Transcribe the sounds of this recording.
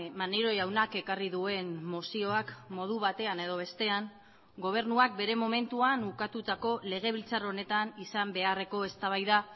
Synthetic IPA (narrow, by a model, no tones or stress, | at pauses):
maneɾo̞jawnake̞kariðue̞nːosio̞akmo̞ð̞uβ̞at̪e̞ane̞ð̞o̞β̞e̞st̪e̞aŋ | ɡo̞β̞e̞ɾnuak̚be̞ɾe̞mo̞me̞nt̪uanukat̪ut̪ako̞le̞ɣ̞e̞β̞ilt͡saro̞ne̞t̪anisambe̞are̞ko̞e̞st̪aβ̞ajða